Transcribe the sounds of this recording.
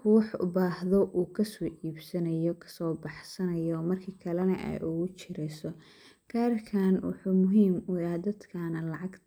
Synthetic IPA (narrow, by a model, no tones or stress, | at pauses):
kʰʊwħʊ̰baːhðɔʔuːkʰɐsɔːʔiːbsɐnɐjɔkʰɐ̥sɔːbɑħsɐnɐjɔmɐrkʰiːkʰɐlɛnɐ̰ʔɛ̰jʔʊɣʊt͡ʃɪɾɛjsɔ | kʰaːrkʰaːnwʊ̰ħuːmʊɦiːmʊad̪ɐd̪kʰaːnɐlɑʕɑɡt̪